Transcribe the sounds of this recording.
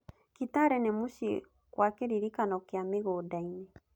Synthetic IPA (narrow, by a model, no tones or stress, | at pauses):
kitaɾɛnemuʃi | kwakeɾiɾikanɔkeameɣoːdainɛ